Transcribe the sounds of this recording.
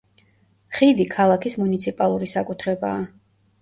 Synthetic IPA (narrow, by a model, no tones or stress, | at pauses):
χid̪ikʰalˠakʰismunit̪sʰipʼalˠuɾisakʼut̪ʰɾɛbaː